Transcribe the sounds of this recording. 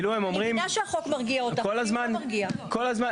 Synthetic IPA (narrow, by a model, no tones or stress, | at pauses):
luemomʁimaʃeaχokmaʁɡiaot̪akolazmanɡiako̞lazma